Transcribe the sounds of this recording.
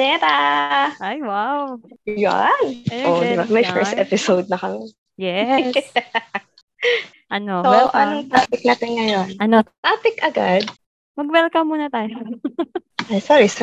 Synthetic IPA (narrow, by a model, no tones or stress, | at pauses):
nɛt̪aʔajwawja̰nɐod̪ɪbamɐjfɛɹst̪ʔɛpɪsowd̪̚nɐkɐmɪ | jɛ | ʔɐnoowɛlʔɐoŋt̪aːpɪk̚naːt̪ɪnŋɐjo̞nɐnot̪aːpɪkʔɐɡad̪̚ | mɐɡwɛlkɐmːuːnɐt̪aːjo | ɐjsaɹis